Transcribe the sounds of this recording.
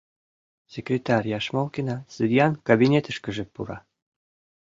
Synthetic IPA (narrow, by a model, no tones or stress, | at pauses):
sʲekɾʲet̪ɑrʲjɑʃmolkinɑsɨd̪jɑnkabinʲet̪əʃkə̆ʒĕpuɾɑ